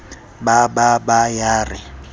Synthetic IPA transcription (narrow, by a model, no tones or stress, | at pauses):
bababajaːrɪ